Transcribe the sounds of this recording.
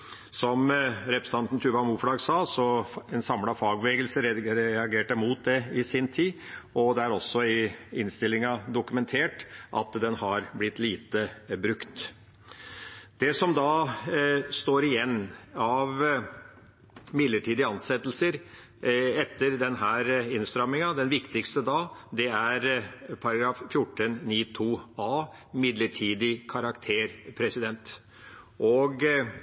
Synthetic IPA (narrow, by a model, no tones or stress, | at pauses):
sɔmɾɛpɾəst̪ɑnt̪n̩t̪ʰʉːʋɑmuːflɑːɡsɑːsɔɛnsɑmlɑfɑːɡʋɛːɡəlsəɾɑɡeːʈəmuːt̪̚d̪ɛɪsɪnt̪ʰiːɔd̪ɛæɾɔsːɔɪɪnst̪ɪlːɪŋɑd̪ʊkʉmɛnt̪ʰeːʈʔɑ̰t̪d̪ɛnhɑɾblɪt̪ːliːt̪əbɾʉkt̪ | d̪̥ɛsɔmd̪ɑ | st̪oːɾɪjɛnːɑʋ | mɪd̪ləʈʰiːd̪ɪəɑnsɛt̪ːlsəɾ | ɛt̪ːəɾd̪ɛnɦæːɾɪnst̪ɾɑmːɪŋɑd̪ɛnʋɪkt̪ɪkst̪əd̪ɑːd̪ɛæɾpʰɑɾɑɡɾɑːffjʊʈːənniːt̪ʰuːɑː | mɪd̪ləʈʰiːd̪ɪkʰɑɾɑkt̪ʰeːɾpʰɾɛsɪd̪ɛnt̪ | ʔɔɡ